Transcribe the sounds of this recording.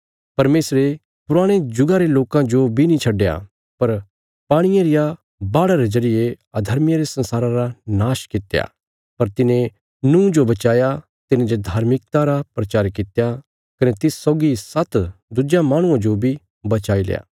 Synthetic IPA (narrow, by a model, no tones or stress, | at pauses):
pɐɾmeːsɾe | pʊɾaːɽ̃ed͡ʒʊɡaɾeloːkãd͡ʒobʱinĩt͡ʃʰɐɖeja̰ | pɐɾ | paːɽ̃ɪjãɾɪja | baːɽaɾed͡ʒɐɾɪje | ɐd̪ʱɐɾmjɾesɐ̃nsaːɾãɾanaːʃkɪt̪ja̰ | pɐɾt̪ɪnẽ | nũːd͡ʒobɐt͡ʃaːja | t̪ɪnẽd͡ʒod̪ʱaːɾmɪk̚t̪aɾapɾɐt͡ʃaːɾkɪt̪ja | kɐnet̪ɪssːɔːɡisɐt̪d̪ʊd͡ʒjamãːɽ̃ʊ̃ãd͡ʒobʱi | bɐt͡ʃaːilḛja̰ː